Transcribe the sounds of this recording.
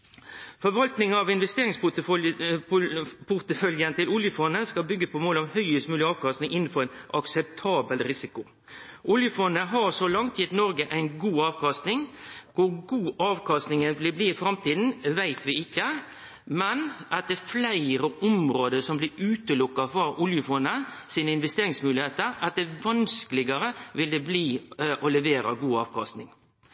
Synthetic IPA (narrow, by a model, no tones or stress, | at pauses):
fɔɾʋɑlt̪nɪŋɑʋɪnʋɛst̪eːɾɪŋspʊ | pʰʊɾt̪əfœljənət̪ɪlʊljəfɔnːəskɑlbʏɡːəpʰɔmoːlɔmhœʏəst̪mʉːlɪɑːʋkɑst̪nɪŋʔɪnːn̩fɔɾæɪnʔɑksɛp̚t̪ʰɑːbəlɾɪsɪkʊ | ʔʊljəfɔnːəɦɑɾsɔlɑŋt̪ʰjɪt̪nɔɾɡəʔæɪnɡuːɑːʋkɑst̪nɪŋkʊɾɡuːʔɑːʋkʰɑst̪nɪŋəʋɪlbliːɪfɾɑmt̪iːd̪n̩ʋæɪt̪ʋɪɪkːə | mɛnʔɑt̪̚d̪ɛflæɪɾəʔɔmɾoːd̪əɾsɔmblɪʉːt̪əlʊkːɑfɔɾʊljəfɔnːəsiːnəɪnʋɛst̪eːɾɪŋsmʉːlɪheːt̪əɾɑt̪̚d̪ɛʋɑnskəlɪɡəɾəʋɪld̪ɛbliːʔɔlɛʋeːɾɑ̰ɡuːɑːʋkʰɑst̪nɪŋ